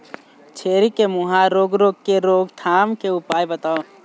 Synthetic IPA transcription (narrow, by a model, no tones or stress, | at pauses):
t͡ʃʰeːɾikemuɦaɾoːɡɾoːɡ̚keɾoːɡt̪ʰaːmkeʊpaːjbət̪aːo